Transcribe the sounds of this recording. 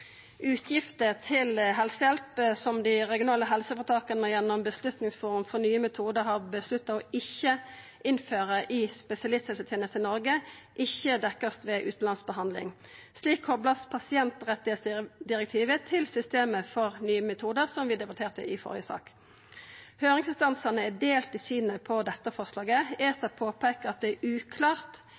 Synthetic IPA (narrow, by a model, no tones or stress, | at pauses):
ʉːt̪ʰjɪft̪ət̪ʰɪlɦɛlsəjɛlpəsɔmd̪iːʁɛɡɪʊnɑːləɦɛlsəfɔʁt̪ʰɑːkənəjɛnːɔmbəslʉt̪nɪŋsfɔːʁʉmfɔʁnyːəmɛt̪ʰuːd̪əɾhɑːʁbəslʉt̪ːɑɔɪçə | ʔɪnføːʁəʔɪspɛsɪɑlɪst̪hɛlsət̪ʰeːnəst̪ənɔʁɡə | ʔɪçːəd̪ɛkːəst̪ʋeːʔʉːt̪n̩lɑnsbəhɑnd̪lɪ̰ŋ | sliːkʰhɔbləspʰɑsɪɛnt̪ʁɛt̪ːɪheːt̪sd̪ɪʁɛk̚t̪ʰiːʋət̪ʰɪlsʏst̪eːməfɔʁnyːəmɛt̪ʰuːd̪əʁsɔmʋɪːd̪ɛbɑt̪ʰeːʁt̪ə̰ʔɪfɔ̰ʁɪjəsɑ̰ːk | høːʁɪŋsɪnst̪ɑnsɑnəæd̪eːlt̪ɪsyːnəpʰɔd̪ɛt̪ːəfɔʁslɑːɡəeːsɑpʰoːpʰeːkəʁɑt̪̚d̪ɛæʔʉːkʰlɑːʁt̪